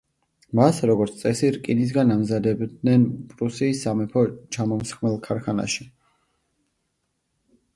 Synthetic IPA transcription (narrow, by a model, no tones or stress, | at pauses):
masɾɔɡɔɾt̪ʰt̪sʼɛsiɾkʼinis̬ɡanamzad̪ɛbd̪nɛnpʼɾusiːsamɛpʰɔt͡ʃʰamɔmsχmɛlˠkʰaɾkʰana̰ʃi